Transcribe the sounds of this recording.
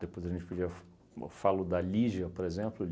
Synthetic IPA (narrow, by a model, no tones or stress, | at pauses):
d̪epojzɐʒẽnt͡ʃɪ̥pud͡ʒiɐf | falʊd̪ɐliʒɐpoɾezẽmplʊl